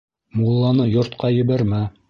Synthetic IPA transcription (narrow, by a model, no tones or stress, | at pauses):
mulˠːɑnɤjŏɾt̪qɑjɘ̆βæɾmæ